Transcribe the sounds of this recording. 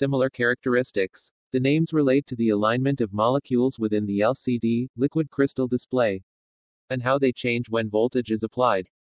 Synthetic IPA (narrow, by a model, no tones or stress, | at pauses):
sɪ̃ml̩ˠə˞kʰɛɹɨk̚tʰə˞ɪstɪks | ðɨnẽɪ̃mzɹəleɪd̚tʰɨðiɨlãɪ̃nmɨ̃ntʌvmɑlˠəkʰjulˠzwɨθɪ̃nðiɛlˠsidilɪkwɨd̚kʰɹ̥ɪstl̩ˠdɨspleɪ | ɨ̃nɦaʊðeɪt͡ʃʰẽɪ̃nd͡ʒwə̃nvɔlˠtɨd͡ʒɨzəpʰl̥aɪd̥